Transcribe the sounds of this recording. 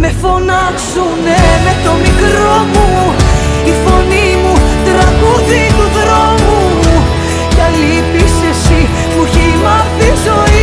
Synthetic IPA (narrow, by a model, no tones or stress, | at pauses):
me̞fo̞nɐksunemet̪o̞mikɾomu | ifo̞nimut̪ɾɐɡuðit̪uðɾomu | mu | cɐlipisesi | muçilɐftizo̞i